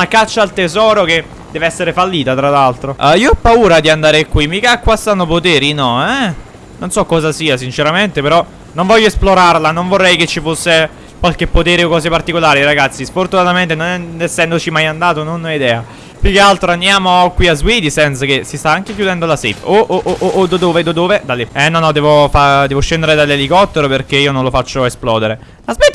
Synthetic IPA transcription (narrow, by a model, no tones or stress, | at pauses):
lakat͡ʃːaːlt̪ezɔːɾok̟e | d̪̥ɛːveɛsːeɾefalːiːt̪at̪ɾalalt̪ɾoiːoɔpːauːɾad̪iand̪aːɾekwimikakːwast̪anːopot̪ɛːɾinɔɛ | nonsɔkːɔːzasiːas̬int͡ʃeɾament̪epeɾɔ | noɱvɔʎːoesploɾarlanoɱvorːɛjket͡ʃːifosːe | kwalk̟epːot̪ɛːɾeokːɔːzepart̪ikolaːɾiraɡat̪sːisfort̪unat̪ament̪enonɛesːɛnd̪ot͡ʃimajand̪aːt̪ononːɔid̪ɛːa | pjukealt̪ɾoand̪jaːmokwiazwiːd̪isɛnt̪sak̟esist̪aaŋk̟ekjud̪ɛnd̪olasefoʔʔoʔoʔːd̪ad̪oːved̪ad̪oːved̪alːeɛnːɔnɔd̪ɛːvofad̪ɛːvoʃːend̪eɾed̪alelikɔt̪ːeɾoperk̟eiːononlofat͡ʃːoesplɔːd̪eɾe | lazwid̪i